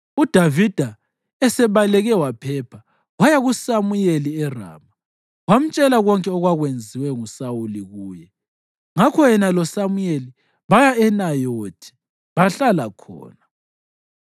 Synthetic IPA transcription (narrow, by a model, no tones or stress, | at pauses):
ud̥ʱavid̥ʱa | ɛsɛβalɛɣɛwapʰɛpʰa | wajaɣusamujeliɛra̰ːma | wam̩t͡ʃʼɛlaɣɔŋkʼɛɔɣwaɣwend͡zʱiwɛŋusawuliɣuːjɛ | ŋakʰɔjɛnalɔsamujeli | βajaɛnajotʰi̥ | βaɬalakʰɔ̰ːna